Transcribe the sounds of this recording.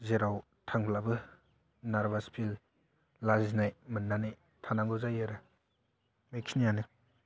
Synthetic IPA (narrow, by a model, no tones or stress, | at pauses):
zeɾaw | tʰaŋpʰlabɯ | naɾbaspʰil | laziznajmɯnːanaj | tʰanaŋɡɔzajɯɾɯ | mekʰinijanɯ